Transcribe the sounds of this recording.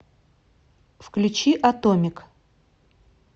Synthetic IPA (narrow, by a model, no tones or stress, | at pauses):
fklʲʉt͡ɕiʔɐt̪omʲɪk